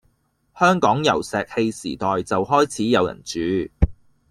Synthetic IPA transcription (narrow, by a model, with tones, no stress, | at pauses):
hœː˥ŋkɔː˨˥ŋjɐ˨˩wsɛː˨k̚he˧jsiː˨˩t̪ɔː˨jt͡sɐ˨whɔː˥jt͡sʰiː˨˥jɐ˨˧wjɐ̰˨˩nt͡ʃyː˨˥